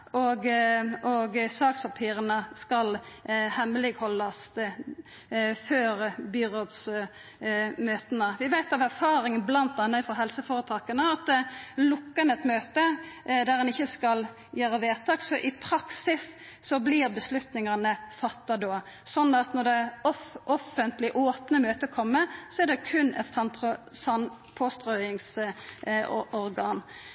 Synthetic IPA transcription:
ʔɔɡɔɡsɑːkspʰɑpʰiːɾənəskɑlhɛmlɪɡhɔlːɑst̪ | føːɾbʏʁɔd̪s | møːt̪ənəʋɪʋæɪt̪ɑʋæɾfɑːɾɪŋnblɑnt̪ɑnːəfɔɦɛlsəfoːɾət̪ʰɑːkənəɑt̪lʊkːəɛnɛt̪møːt̪əd̪æɾɛnɪçːəskɑl | jøːɾəʋeːt̪ʰɑːksɔʔɪpʰɾɑksɪsː | ɔbliʁbəslʉt̪nɪŋɑnəfɑt̪ːɑd̪oː | sɔnːɑt̪nɔʁd̪ɛɔʔɔfːənt̪lɪʔoːpnəmøːt̪əkʰɔmːəsɔæd̪ɛkʰʉnɛ̰t̪sɑnpʰsɑn | pʰoːst̪ʁoʏɪŋs | ɔɾɡɑːn

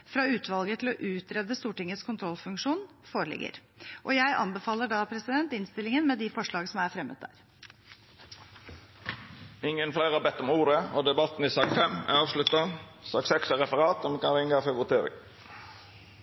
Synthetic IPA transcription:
fɾɑʉːt̪ʰʋɑlɡət̪ʰɪlɔʔʉːt̪ɾɛd̪əst̪uːʈɪŋət̪skʰʊnt̪ʰɾɔlfʉŋkʂuːn | foːɾəɭɪ̰ɡːə̰ɾ | ʔɔjæɪʔɑ̰nbəfɑːləɖɑpʰɾɛsɪd̪ɛnt̪ɪnst̪ɪlɪŋənmɛd̪ɪfɔʂɭɑːɡsɔmæɾfɾɛmə̰t̪̚d̪æ̰ːɾ | ɪŋənflæɪʁɑːbɛt̪ːɔmuːɾəɔd̪ɛbɑt̪n̩iːsɑkfɛmæ̰ɑːʋʃlʉt̪ɑsɑksɛksæɾɛfəʁɑːt̪ɔmkɑnɾɪŋɡɑfɛʋʊt̪ʰeːɾɪ̰ŋ

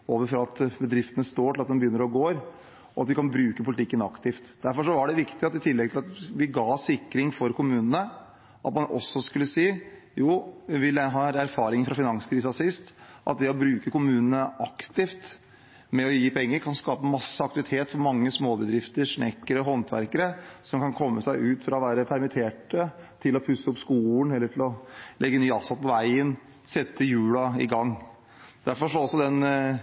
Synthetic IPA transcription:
oːʋəɾfɾɑɑt̪bəd̪ɾɪft̪ənəst̪oːʈʰɪlɑt̪d̪ɛmbəjʏnːəɾɔɡoːɾ | ɔɑt̪̚d̪ɪkɑnbɾʉːkəpʰʊlɪt̪ɪkːənɑkt̪ɪft̪d̪æɾfɔʂɔʋɑɖɛʋɪkt̪ɪɑt̪ɪt̪ʰɪlːɛɡt̪ʰɪlɑt̪ʋɪɡɑːsɪkːɾɪŋfɔɾkʊmʉːnənə | ʔɑt̪mɑnɔ̰sːɔskʉlːəsiː | juːɪʋɪlːæɦɑːɾæɾfɑːɾɪŋfɾɑfɪnɑŋskʰɾiːs̬əɑsɪst̪ʔɑ̰t̪̚d̪ɛɔbɾʉːkəkʊmʉːnənəʔɑkt̪ɪft̪ | mɛɔjiːpʰɛŋːəɾkʰɑnskɑːpəmɑsːəɑk̚t̪ɪʋɪt̪ʰeːt̪fɔɾmɑŋːəsmoːbəd̪ɾɪft̪əɾʂɳɛkːəɾəɦɔnt̪ʰʋæ̰ɾkəɾəsɔmkɑnkʰɔmːəsæɪʔʉːt̪fɾɑɔʋæːɾəpʰæɾmɪt̪ʰeːʈət̪ʰɪlɔpʰʉsːəʊpskuːlnɛlːəʈʰɪlɔlʔɛɡːənyːɑsɑpʰɔʋæɪən | sɛt̪ːəjʉːlɑɪ̰ɡɑŋː | d̪̥æɾfɔʂɔɔsːɔd̪ɛn

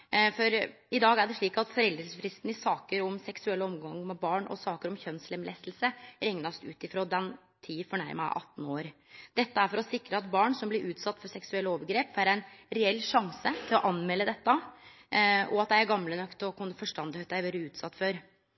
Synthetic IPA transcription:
fɔɾ | ɪd̪ɑːɡæɖɛʂɭiːkɑt̪fɔɾɛld̪ɾəsfɾɪst̪n̩ɪsɑːkəɾɔmsɛksʉɛlːəɔmɡɑŋmɛbɑːɳʔɔ̰sɑːkəɾɔmçœnslɛmlɛ̰ːst̪l̩səɾɛŋnɑst̪ʉːt̪ɪfɾoːd̪ɛn | t̪ʰiːfɔɳæɪɾmə̰ʔɑ̰t̪ːn̩oːɾ | d̪̥ɛt̪ːəæɾfɔɾɔsɪkɾəɑt̪bɑːɳsɔmblɪɾʔʉːt̪sɑt̪ːfɔsɛksʉɛlːəoːʋəɾɡɾeːpʋæːɾæɪnɾɛɛlːʂɑŋsət̪ʰɪlɔʔɑnmɛlːəd̪ɛt̪ːə | ɔ̰ɑt̪̚d̪æɪæɾɡɑmlənœkt̪ɔkʰʊnːəfɔʂʈɑnd̪hœt̪æɪʋeːɾəʉːt̪sɑt̪ːfɔɾ

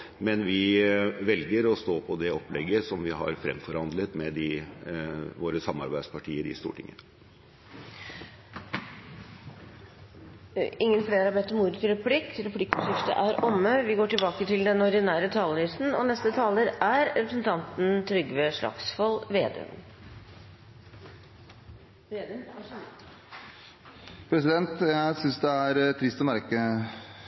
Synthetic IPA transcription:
mɛnʋɪʋɛlɡəɾɔst̪oːpʰɔd̪ɛɔplɛɡːəsɔmʋɪɦɑ̰ɾfɾɛ̰mfɔɾhɑnd̪lət̪mɛd̪ɪ | ʋoːɾəsɑmːɑ̰ɾbæɪspɑʈʰiːəd̪ɪ̰st̪ṵːʈɪ̰ŋːə̰nə | ɪŋːənfleːɾəɑbɛt̪ːəmuːɾət̪ɪɾɛpʰlɪkɾɛpʰlɪkːɔʂɪft̪ə̰ʔæɾʔɔmːəʋɪɡoːʈɪlbɑːkət̪ʰɪld̪ɛnɔɾd̪ɪnæːɾət̪ʰɑːləlyːsn̩ɔ̰nɛst̪ət̪ʰɑːləɾæɾɾɛpɾəsən̩t̪ʰɑnt̪n̩t̪ʰɾʏɡʋeʂɭɑ̰ksfɔlʋḛːd̪ø̰ːn | pʰɾɛsɪd̪ɛnt̪jæɪsʏnsd̪ɛæɾt̪ʰɾɪst̪ɔmæɾkə

